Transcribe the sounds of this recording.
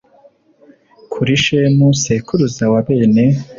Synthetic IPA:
kʰuɾiʃemusekuɾuzawaβeːne

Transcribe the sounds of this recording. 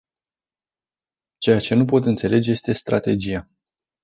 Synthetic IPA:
t͡ʃe̞jat͡ʃe̞nupo̞t̪ɨnt̪se̞le̞d͡ʒe̞je̞st̪e̞st̪ɾa̰t̪e̞d͡ʒija

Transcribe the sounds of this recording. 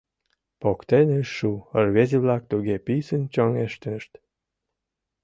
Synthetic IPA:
pokt̪eneʃuərβeziβlɑk̚t̪uɣepisənt͡ɕoŋeʃt̪əʃt̪

